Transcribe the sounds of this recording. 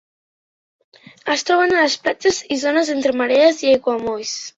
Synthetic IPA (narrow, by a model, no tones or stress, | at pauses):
əst̪ɾɔβ̞ənaləsplad͡ʒəzizonəzent̪ɾəməɾeəziejɣwamojs